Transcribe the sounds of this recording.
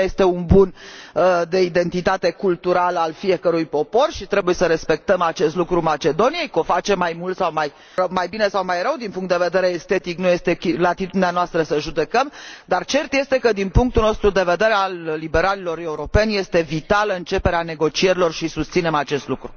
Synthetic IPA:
je̞st̪e̞unbun | d̪e̞id̪e̞nt̪it̪at̪e̞kult̪uɾaləalfije̞kəɾujpo̞po̞rʃit̪ɾe̞buje̞səɾe̞spe̞k̚t̪əmat͡ʃe̞st̪lukɾumat͡ʃe̞d̪o̞nije̞jko̞fat͡ʃe̞mːajmult̪sawmaj | əmajbine̞sawmajrəwd̪inpuŋkt̪d̪e̞ved̪e̞ɾe̞ːst̪e̞t̪iknuje̞st̪e̞kilat̪it̪ud̪ineanoast̪ɾəsəʒud̪e̞kəmd̪art͡ʃe̞rt̪je̞st̪e̞kəd̪inpuŋk̚t̪ulno̞st̪ɾud̪e̞ve̞d̪e̞ɾealːibe̞ɾalilo̞ɾe̞uɾo̞pe̞nje̞st̪e̞vit̪aləɨnt͡ʃe̞peɾeane̞ɡo̞t͡ʃie̞ɾilo̞rʃisust̪sine̞mat͡ʃe̞st̪lukɾu

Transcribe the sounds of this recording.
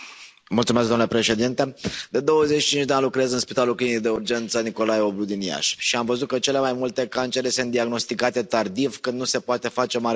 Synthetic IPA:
multsumes̬kd̪omnulepɾe̞ʃe̞d̪int̪e̞d̪e̞d̪o̞wəzet͡ʃːi̥t͡ʃint͡ʃʲd̪eanlukɾeeazɨnspit̪alulkinid̪e̞urd͡ʒe̞nt̪səniko̞lajeoblud̪inija̰ʃʃiamvəzut̪̚kət͡ʃe̞le̞majmult̪e̞kant͡ʃe̞ɾesɨnt̪d̪iaɡno̞st̪ikat̪e̞t̪ard̪ivkɨnd̪nuse̞poat̪e̞fat͡ʃe̞maɾ

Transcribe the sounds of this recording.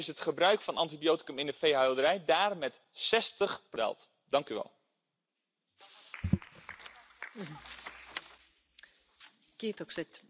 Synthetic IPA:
ɪsətχəbrœɥkfɑnʔɑntidijoːti̥kəmɪndəfejɦœɥlˠdəɾɛjdaːrmɛt | sɛstəχprɛ̰lˠt | dɑŋkyʋɛ̰lˠ | kitɔksɪt

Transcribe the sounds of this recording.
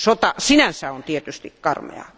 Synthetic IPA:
sot̪ɑsinænsæont̪iet̪yst̪ikkɑrmḛɑ̰

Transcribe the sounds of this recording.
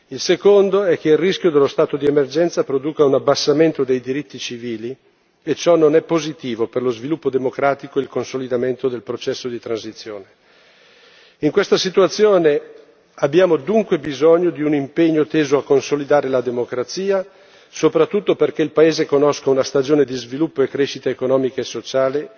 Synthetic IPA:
ilsekond̪oɛk̟ːeilrisk̟jod̪elːost̪aːt̪od̪iemerd͡ʒɛnt̪sapɾod̪uːkaunabːasːament̪od̪ejd̪iɾit̪ːit͡ʃiviːli | et͡ʃɔnonɛpːozit̪iːvoperlozvilupːod̪emokɾaːt̪ikoilkonsolid̪ament̪od̪elpɾot͡ʃɛsːod̪it̪ɾansit̪sːjoːne | iŋkwest̪asit̪uat̪sːjoːne | abːjaːmod̪uŋkwebizoɲːod̪iunimpeɲːot̪eːzoakːonsolid̪aːɾelad̪emokɾat̪siːa | sopɾat̪ːut̪ːoperk̟eilpaeːzekonoskaunast̪ad͡ʒoːned̪izvilupːoekːɾeʃit̪aekonɔːmikaesːot͡ʃaːle

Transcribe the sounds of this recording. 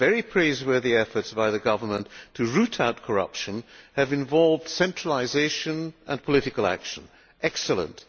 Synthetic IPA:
vɛɹipʰɹ̥eɪzwɜ˞ðiɛfə˞tsb̥aɪðɨɡʌvə˞mə̃ntʰɨɹʉɾʰaʊt̚kʰə˞ʌ̰pʃɨ̃nɨvɨ̃ɱvɑlˠvd̥sɛ̃nt͡ʃɹ̥ələzeɪʃɨ̃nʔə̰̃npʰəlɪɾɨkəlˠæ̰kʃɨ̃n | ʔɛksəlˠə̰̃nt

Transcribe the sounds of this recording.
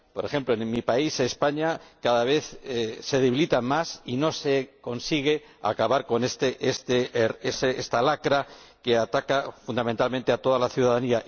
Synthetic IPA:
po̞ɾe̞xe̞mploenmipaisespaɲakaðaβe̞θse̞ðe̞βilit̪amasino̞se̞ko̞nsiɣ̞e̞ | a̰kaβaɾko̞nest̪eʔest̪eeseest̪alakɾake̞at̪akafund̪amẽnt̪almẽnt̪eat̪o̞ðalaθjuðaðania

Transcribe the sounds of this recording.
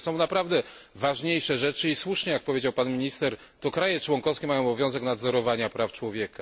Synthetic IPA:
sɔ̃w̃napɾavd̪ɛvaʐɲejʂɛʐɛt͡ʂɘiswuʂɲɛjak̚pɔvʲjed͡ʑawpanmʲiɲist̪ɛɾ | t̪ɔkɾajɛt͡ʂwɔŋkɔfskʲɛmajɔ̃w̃ɔbɔvʲɔ̃w̃zɛknad̪zɔɾɔvaɲapɾaft͡ʂwɔvʲjɛka

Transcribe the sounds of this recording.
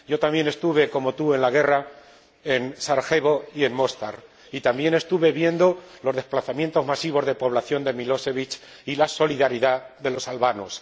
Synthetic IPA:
ɟ͡ʝo̞t̪ambje̞ne̞st̪uβe̞ko̞mo̞t̪ue̞nlaɣ̞e̞ra | ensaɾxe̞βoie̞nmo̞st̪aɾ | it̪ambje̞ne̞st̪uβe̞βje̞nd̪o̞lo̞zðe̞splaθamje̞nt̪o̞zmasiβ̞o̞zðe̞po̞β̞laθjo̞nd̪e̞milo̞se̞βit͡ʃ | ilaso̞liðaɾiðaðe̞lo̞salβano̞̰s

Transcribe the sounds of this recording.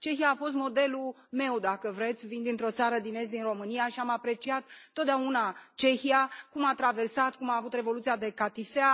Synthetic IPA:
t͡ʃe̞xiaːfo̞s̬t̪mo̞d̪e̞lu | me̞wd̪akəvɾe̞t̪sʲvind̪ɨnt̪ɾo̞t̪saɾəd̪ine̞s̬t̪d̪inro̞mɨnijaʃiamapɾe̞t͡ʃiat̪ːot̪d̪eaunat͡ʃe̞çiakumat̪ɾave̞rsat̪̚kumaːvut̪re̞vo̞lut̪sijad̪e̞kat̪ifea

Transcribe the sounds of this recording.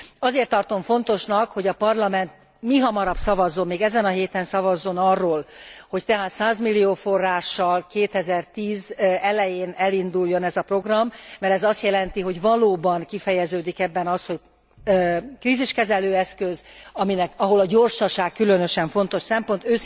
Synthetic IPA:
ɒzeːrt̪ːɒrt̪o̞ɱfo̞n̪t̪o̞ʃnɒkho̞ɟɒpɒrlɒmɛnt̪̚ | miɦɒmɒɾɒbpsɒvɒzːo̞mmeːɡɛzɛnɒɦeːt̪ɛnsɒvɒzːo̞nɒrːoːlho̞ct̪ɛɦaːt̪saːzmilːijoːfo̞rːaːʃːɒlkeːt̪ɛzɛrt̪iːzɛlɛjeːnɛlind̪ulːo̞nɛzɒpro̞ɡrɒmːɛɾɛzɒst̪jɛlɛnt̪iɦo̞ɟvɒloːbɒnkifɛjɛzøːd̪ikɛbːɛnɒst̪ho̞c | kriːziʃkɛzɛløːɛskøzɒminɛkɒɦo̞lɒɟo̞rʃɒʃaːkkːylø̞nø̞ʃɛɱfo̞nt̪o̞ʃsɛmpo̞nt̪øː

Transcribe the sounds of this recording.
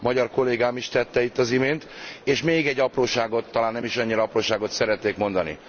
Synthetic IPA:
mɒɟɒrko̞leːɡaːmiʃt̪ɛt̪ːɛit̪ːɒzimeːnt̪eːʃmeːɡɛɟːɒproːʃaːɡo̞t̪ːɒlaːnːɛmiʃɒɲːiɾɒɒproːʃaːɡo̞t̪sɛɾɛt̪neːkmo̞nd̪ɒnḭ

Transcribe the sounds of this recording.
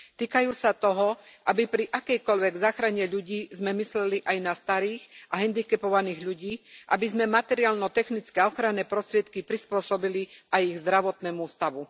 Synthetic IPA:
t̪iːkajuːsat̪ɔɦɔʔabipɾiʔakɛjkɔʎʋɛɡzaːxɾaɲɛʎuɟiːzmɛmislɛliʔajnast̪aɾiːxʔaɦɛnd̪ikɛpɔʋaniːɣʎuɟiːʔa̰bizmɛmat̪ɛɾiaːlnɔt̪ɛxnit͡skɛɔxɾanːɛːpɾɔst̪ɾɪɛt̪kipɾispʊɔsɔbiliʔajiɣzd̪ɾaʋɔt̪nɛːmust̪aʋu

